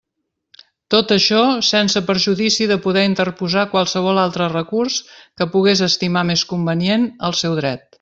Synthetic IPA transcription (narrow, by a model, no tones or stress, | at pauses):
t̪ot̪əʃɔsɛnsəpəɾʒuðisiðəpuðɛint̪ərpuzakwalˠsəβ̞ɔlˠalˠt̪ɾərəkurskəpuɣ̞ezəst̪imameskumbənienəlˠsɛwðɾɛt̪̚